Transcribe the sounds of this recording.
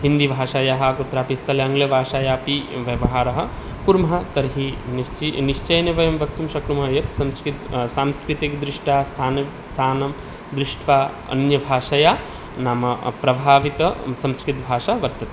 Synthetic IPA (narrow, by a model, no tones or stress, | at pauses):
ɦind̪ibʱaːʃaːjaːɦaːkut̪ɾaːpist̪ʰɐlɐɐŋɡlɐbʱaːʃaːjaːpiʋjɐʋɐɦaːɾɐɦɐ̆ | kuɾmɐɦɐ̆t̪ɐɾɦinit͡ʃiniʃt͡ʃɐjnɐʋɐjɐmʋɐk̚t̪umʃɐkɾumɐjɐt̪sɐmskɾit̪saːmskɾit̪ikd̪ɾɪʂʈaːst̪ʰaːnɐ | st̪ʰaːnɐm | d̪ɾɪʃʈʰʋaː | ɐ̰njɐbʱaːʃajaː | naːmɐpɾɐbʱaːʋit̪ɐsɐmskɾit̪bʱaːʃaːʋɐɾt̪ɐt̪i